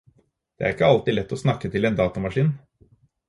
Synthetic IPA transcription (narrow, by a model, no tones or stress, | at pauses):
d̪̥ɛ̰æ̰ɾɪkːəɑlt̪ɪlɛt̪ːɔsnɑkːət̪ʰɪleːnd̪ɑːt̪ʊmɑʂiːn